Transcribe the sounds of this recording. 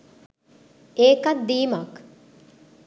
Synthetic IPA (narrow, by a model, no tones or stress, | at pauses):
eːkɐd̪d̪iːmɐk